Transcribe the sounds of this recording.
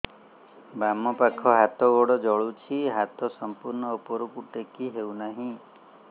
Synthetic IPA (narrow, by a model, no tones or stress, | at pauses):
bamɔpakʰɔɦat̪ɔɡɔɽɔd͡ʒɔɭut͡ʃʰiɦat̪ɔsɔmpuɾɳɔopɔɾukuʈekiɦewnaɦĩ